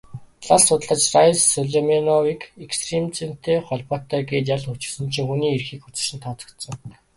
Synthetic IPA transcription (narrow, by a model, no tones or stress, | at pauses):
ɮassʊt̪ɮə̆t͡ɕrajsːɔɮemenɔwikekst̪remt͡sen̥t̪eːχɔɮpɔːt̪æːɡeːt̪̬jaɮɵt͡ɕɪ̆sɘ̆nt͡ɕʰiːxuniːerxiːkxut͡sɪ̆ʃɪ̆nt̪ʰɔt͡sɞ̥̆kt̪sɞ̆ŋ